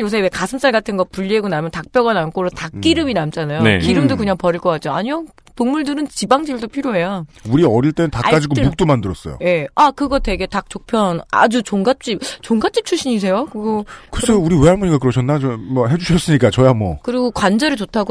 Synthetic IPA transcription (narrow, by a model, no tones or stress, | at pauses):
jos̬ʰebekasʰɯms͈aɭɡatʰɯnɡʌpuʎːieɡonamjʌntak̚p͈jʌɡanank͈ʰoɾotak͈iɾɯminamt͡ɕ͈anajonḛkiɾɯmdokɯɲaŋpʌɾiɭk͈ʌk͈at̚t͡ɕ͈oaɲio | poŋmuɭdɯɾɯnt͡ɕibaŋd͡ʑiɭdopʰiɾjoɦe̞jauɾiʌɾiɭt͈enɯntak͈ad͡ʑiɡomuk̚t͈omandɯɾʌs͈ʌjo̰je̞akɯɡʌtwe̞ɡe̞tak̚t͡ɕ͈ok̚pʰjʌna̰d͡ʑut͡ɕoŋɡat͡ɕ͈ip̚t͡ɕoŋɡat͡ɕ͈ip̚t͡ɕʰuɭɕ͈iɲis̬ʰe̞jokɯiɡokɯɾesʰʌuɾiweɦaɭbuɲikakɯɾʌɕʰʌnːat͡ɕʌmʌɦe̞d͡ʑuɕʰʌs͈ɯɲik͈at͡ɕʌjamwʌ̰kɯɾiɡokwand͡ʑʌɾɯɭt͡ɕotʰaɡo